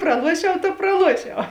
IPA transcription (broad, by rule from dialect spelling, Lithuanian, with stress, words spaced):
prɐˈlˠuɔʃʲɛʊ tɐ prɐˈlˠuɔʃʲɛʊ